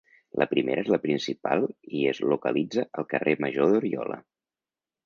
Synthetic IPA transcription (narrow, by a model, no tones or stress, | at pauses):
lʔəpɾimḛɾəezləpɾinsipa̰lˠiəzlukəlid͡zəʔəlˠkəreməʒoðuɾiɔlə̰